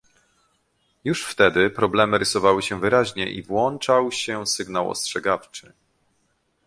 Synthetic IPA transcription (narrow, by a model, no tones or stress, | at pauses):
juʂft̪ɛd̪ɘpɾɔblɛmɘɾɘsɔvawɘɕɛvɘɾaʑɲɛʔḭvwɔnt͡ʂawɕɛsɘɡnawɔ̰stʂɛɡaft͡ʂɘ